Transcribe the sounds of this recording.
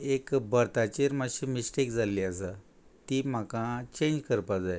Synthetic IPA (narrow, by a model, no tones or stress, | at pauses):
ekbəɾt̪at͡ɕiɾmaɕimisʈekd͡zaliːasa | t̪iːm̤akãt͡ɕẽɲd͡ʑkəɾpad͡zaj